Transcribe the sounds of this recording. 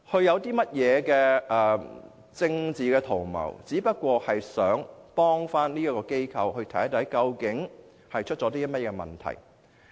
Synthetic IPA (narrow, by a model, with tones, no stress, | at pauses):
hɵ˧ɥjɐ˨˧wt̪iː˥mɐ˥t̚jɛː˨˧kɛː˧ʔɛː˨ | t͡sɪ˧ŋt͡siː˨˩kɛː˧t̪ʰo˨˩wmɐ̰˨˩wt͡siː˨˥pɐ˥t̚kʷɔː˧hɐ˨jsœː˨˥ŋpɔː˥ŋfaː˥nniː˥jɐ˥kɔː˧ke˥jkʰɐ˧whɵ˧ɥt̪ʰɐ̰˨˥jt̪ʰɐ˨˥jkɐ˧wkɪ˨˥ŋ | hɐ˨jt͡ʃʰɵ˥t̚t͡ʃɔ˨˧˥t̪iː˥mɐ˥t̚jɛː˧mɐ̰˨nt̪ʰɐ̰˨˩j